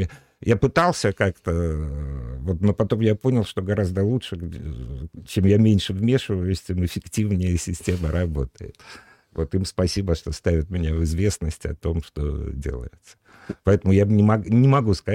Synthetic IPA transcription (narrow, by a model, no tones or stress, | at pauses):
japɨt̪alˠsʲəkakt̪ə | vo̞t̪no̞pɐt̪o̞mjapo̞nʲɪlˠʂt̪o̞ɡɐɾazd̪əlˠuʂɨ | t͡ɕe̞mjamʲenʲʂɨvmʲe̞ʂɨvəjʊsʲtʲemɨfʲɪktʲivnʲɪjəsʲɪsʲtʲe̞məɾɐbo̞t̪əjɪ̰t̪ | vo̞t̪imspɐsʲibəʂt̪o̞st̪avʲɪt̪̚mʲɪnʲavɨzvʲe̞snəsʲtʲɐ̰t̪o̞mʂt̪o̞̰dʲḛlˠə̰jɪt̪sə̥ | pɐɛt̪əmʊjanʲɪmɐnʲɪmɐɡuskɐ